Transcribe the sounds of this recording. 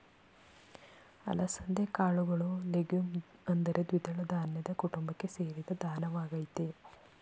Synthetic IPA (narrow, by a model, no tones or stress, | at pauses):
ɐ̰lɐsɐnd̪ekaːɭuɡɐɭuleɡumɐnd̪ɐɾed̪ʋid̪ɐɭɐd̪aːnjɐd̪ɐkuʈumbɐkːe̞seːɾid̪ɐd̪ʱaːnɐʋaːɡɐjt̪e